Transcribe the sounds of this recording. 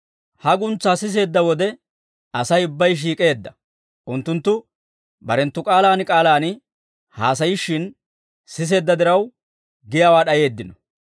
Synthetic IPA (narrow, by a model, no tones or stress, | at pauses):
hɐɡʊnt͡sːaːsɪs̬e̞ːd̪ːɐwɔd̪ɛ | ɐsɐjʊbːɐjʃ̬iːkʼe̞ːd̪ːɐ | ʔʊnt̪ːʊnt̪ːʊ | bɐɾɛnt̪ːʊkʼaːlaːnɪkʼaːlaːnɪ | haːs̬ɐjɪʃːɪn | sɪs̬e̞ːd̪ːɐd̪ɪɾɐw | ɡɪjaːwaːɗɐje̞ːd̪ːɪnɔ